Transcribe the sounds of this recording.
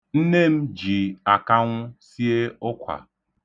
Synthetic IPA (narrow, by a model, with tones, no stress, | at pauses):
n̩˦ne˦˨m̩˦d͡ʒi˨a˨ka˦ŋʷʊ˦si˦e˦ʊ˦kʷʰa̰˨